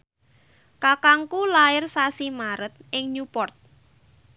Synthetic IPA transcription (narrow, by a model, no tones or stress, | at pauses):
kakaŋkulaɪrsasimaɾət̪̚ʔɪŋɲupɔrt̪̚